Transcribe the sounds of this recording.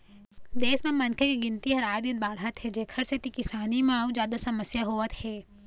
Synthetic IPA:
d̪eːsmɐmɐnkʰekiɡɪnt̪iɦɐɾaːd̪it̪̚baːɽɦət̪ɦɛd͡ʒeːkʰəɽset̪ikɪsaːnimãːud͡ʒjaːd̪asɐməsjaɦoːʋət̪hɛː

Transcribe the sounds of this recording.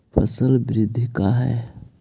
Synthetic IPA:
pʰə̰səlbɪɾɪd̪ʱikaɦɛ̰ː

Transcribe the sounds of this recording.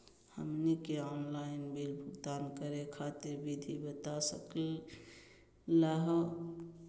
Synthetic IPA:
hə̰mnikeɔnlainbilbʱʊɡd̪ankəɾekʰat̪iɾbid̪ʱibət̪asəkl | laɦə

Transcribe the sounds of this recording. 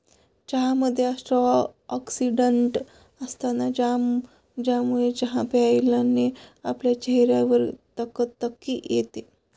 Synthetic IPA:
d͡ʑəɦaməd̪ʱːjeasʈɾəɔksiɖəɳʈ | əst̪anad͡ʑa | d͡ʑamuɭed͡ʑəɦapeailanːeapljat͡ɕeɦɾjaʋəɾt̪əkət̪ːəkːijet̪e

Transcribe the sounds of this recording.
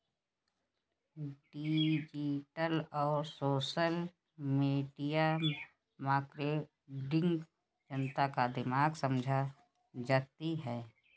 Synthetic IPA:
ɖid͡ʒiʈəlɔːɾsoːʃəl | meːɖija | maːkɾe | ɖɪ̃ŋɡ | d͡ʒənt̪akad̪ɪmaːɡsə̃md͡ʒʱa | d͡ʒat̪iɦɛː

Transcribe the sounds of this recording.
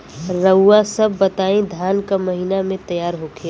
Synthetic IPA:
ɾəːasɐbːɐt̪aːẽd̪ʱjaːnkamɐɦinamẽt̪əjaːɾɦoːkʰe

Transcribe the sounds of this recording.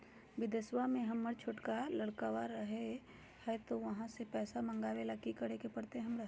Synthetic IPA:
bɪd̪eswamẽɦɐmːəɾt͡ʃʰʊʈkaləɽkawaɾəɦe | hɛt̪oʋɐɦãsepɛːsamɐ̃ŋɡaːʋelakikəɽekepɐɽt̪eɦɐmɾa

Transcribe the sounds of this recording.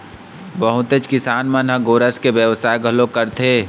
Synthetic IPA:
bəɦʊt̪et͡ʃkɪsaːnmənɦə̃ɡoːɾəskebjəʋsaːjɡʱəlokəɾt̪ʰe

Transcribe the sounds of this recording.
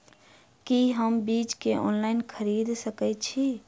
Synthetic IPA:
kiɦəmbit͡ʃkeʔɔ̰nlaɪnkʰəɾid̪səkɛt͡ʃʰi

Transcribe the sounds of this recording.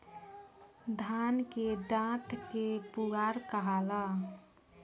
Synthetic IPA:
d̪ʱankeɖãʈʰkepuɡaɾkəɦalə

